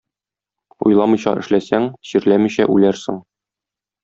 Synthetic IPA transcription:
ṵjlˠɑmɤ̆jɕɑ̰ʔɘ̆ʃlæsæŋɕiɾlæmiɕæʔʉlæɾsɘŋ

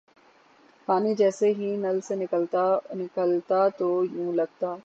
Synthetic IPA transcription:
paːnid͡ʒɛːseɦinɐlsenɪkəlt̪nɪkəlt̪at̪ojũːlɐɡ̚t̪aː

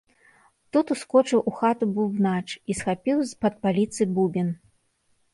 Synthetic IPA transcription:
t̪ut̪uskɔt͡ʂɨwʔuxat̪ububnat͡ʂisxapʲiwzpɐt̪̚palʲit̪sɨbubʲin

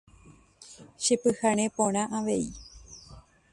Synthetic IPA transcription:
ʃepɨhaɾ̃ẽpõɾ̃ãʔaʋe̞i

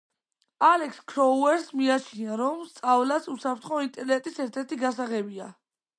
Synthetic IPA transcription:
alɛkskʰɾɔuɛɾsmiat͡ʃʰinaɾɔmst̪sʼavlasusapʰɾt̪ʰχɔint̪ʼɛɾnɛt̪ʼisɛɾt̪ʰɛɾt̪ʰiɡasaʁɛbia̰

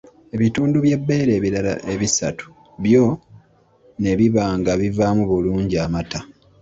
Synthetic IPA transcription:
e̞βituːnduβje̞bːe̞ːɾe̞ːβiɾala̰ʔe̞βisa̰tu̥ | βjo̞ | ne̞βiβaːŋɡaβivaːmuβuluːɲɟiamata

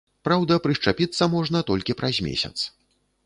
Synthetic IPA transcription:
pɾawd̪ɐpɾɨʂt͡ʂapʲit̪sːɐmɔʐn̪ɐt̪ɔlʲkʲipɾazʲmʲḛsʲɐ̰t̪s

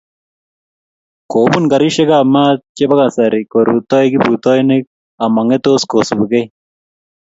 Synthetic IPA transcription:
koːbunɡɐɾiʃeɡaːmaːt͡ʃebɐɡasaɾikoɾṵt̪ojɡipuːt̪oːjnek̚ | amɐŋet̪oskosubuɡe

